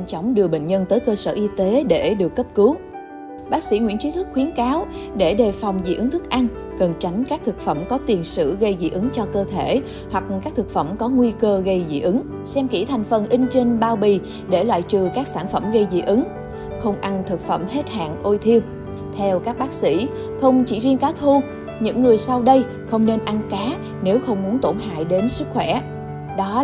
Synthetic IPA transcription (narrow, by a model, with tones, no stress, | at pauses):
nt͡ɕɔ˨˦wŋ͡mɗɨ˨˩əɓḛ˧˨ŋ̟ɲə˧nt̪əː˨˦jkəː˧səː˧˩ʔi˧t̪e˨˦ɗe˧˩ɗɨ˨˩əkːə˦˥p̚kɨ˨˦w | ɓaː˦˥k̚sḭ˧˥ŋwḭ˧˥nt͡ɕi˨˦t̪ʰɨ˦˥k̚xwi˨˦ənkaː˨˦wɗe˧˩ɗe˨˩fa˨˩wŋ͡mzḭ˧˩ʔɨ˨˦ŋt̪ʰɨ˦˥k̚ʔa˧ŋ | kə˨˩nt͡ɕa˨˦jŋ̟kaː˦˥k̚t̪ʰɨ˨˩k̚fə˧˩mkɔ˨˦t̪i˨˩ənsɨ̰˧˨ɣə˧jzḭ˧˩˨ʔɨ˨˦ŋt͡ɕɔ˧kəː˧t̪ʰe˧˩˨ | hwa˨˩k̚kaː˦˥k̚t̪ʰɨ˨˩k̚fə˧˩mkɔ˨˦ŋwi˧kəː˧ɣə˧jzḭ˧˨ʔɨ˨˦ŋ | sɛ˧mkḭ˧˩t̪ʰa˨˩jŋ̟fə˨˩nʔï˧ŋ̟t͡ɕe˧ŋɓaː˧˩wɓi˨˩ | ɗe˧˩lwa̰ː˧˨jt͡ɕɨ˨˩kaː˦˥k̚saː˧˩nfə˧˩mɣə˧jzḭ˧˨˥ʔɨ˨˦ŋ | xə˧wŋ͡mʔa˧nt̪ʰɨ˨˩k̚fə˧˩mhe˦˥t̚ha̰ː˧˨ŋʔo˧jt̪ʰi˧əw | t̪ʰɛ˧wkaː˦˥k̚ɓaː˦˥k̚sḭ˧˥ | xə˧wŋ͡mt͡ɕḭ˧˩zi˧ənkaː˨˦wt̪ʰu˧ | ɲɨ̰˧˥ŋːɨ˨˩əjsa˧wɗə˧j | xə˧wŋ͡mne˧nʔa˧nkaː˨˦ | ne˨˦wxə˧wŋ͡mmu˨˦ənt̪o˧˩nɦa̰ː˧˨jɗe˨˦nsɨ˦˥k̚xwɛ˧˩ | ɗɔ˨˦